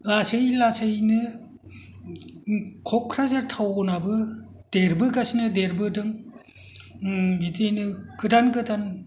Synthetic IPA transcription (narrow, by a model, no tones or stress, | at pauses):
lasɯjlasɯjnɯ | kʰɔkʰɾazaɾtʰawnabɯ | d̥eɾbɯkasnɯdeɾbɯdɯŋ | bitejnɯkɯdankɯtan